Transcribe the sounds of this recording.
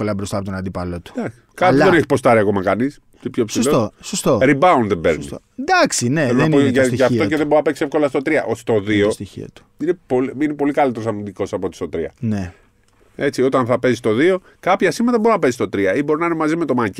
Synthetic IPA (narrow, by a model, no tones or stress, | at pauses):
kolɐbɾost̪ɐːpot̪onɐnd̪ipɐlot̪u̥d̪ɐksi̥kɐðeneçi̥post̪ɐɾiɐko̞mɐkɐnis | t̪ipçopsiloosost̪oɾibɐund̪ðebḛɾni | d̪ɐksineenpoʝɐʝɐft̪oceðeboɾɐpe̞ksiefko̞lɐst̪ot̪ɾiɐʔost̪o̞ðio̞st̪içḭɐ̰t̪u̥inepolinepo̞likɐlit̪eɾosɐmind̪iko̞sɐpot̪ist̪o̞t̪ɾiɐ̰ne | e̞t͡sio̞t̪ɐnθɐpe̞zist̪o̞ðio̞ | kɐpçɐsimɐðɐboɾunɐpe̞zist̪o̞t̪ɾiɐibo̞ɾinɐinemɐzime̞t̪o̞mɐci